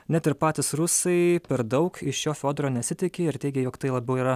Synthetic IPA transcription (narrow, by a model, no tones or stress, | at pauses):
nʲæt̪ʲɪɾpɑːt̪ʲɪsɾʊsɐɪpʲɛɾd̪ɐʊkɪʃjoːfʲoːd̪ɾoːnʲɛt̪sʲɪt̪ʲɪkʲeɪɾt̪ʲɛɪɡʲɛjoːkt̪ɐɪlˠɐbʲɛʊiːɾɐ